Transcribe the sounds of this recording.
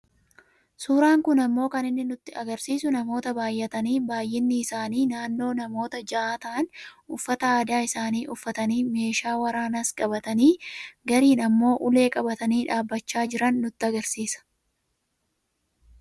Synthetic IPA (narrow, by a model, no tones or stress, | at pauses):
suːɾaːŋkʊnɐmːo̞ːkɐnɪnːɪnʊt̪ːɪɐɡɐɾsiːsʊnɐmo̞ːt̪ɐbaːjːɛt̪ɐniːbaːjʔɪnːɪːsaːniːnaːnːo̞ːnɐmo̞ːt̪ɐd͡ʒɐʔaːt̪ɐʔɐnʔʊfːɐt̪ɐaːd̪aːɪsaːniːʔʊfːɐt̪ɐniːme̞ːʃaːwɐɾaːnɐskʼɐbɐt̪ɐniːɡɐɾiːnɐmːo̞ːʔʊle̞ːkʼɐbɐt̪ɐniːᶑaːbːɐt͡ʃːaːd͡ʒɪɾɐnːʊt̪ːɪɐɡɐɾsiːsɐ̥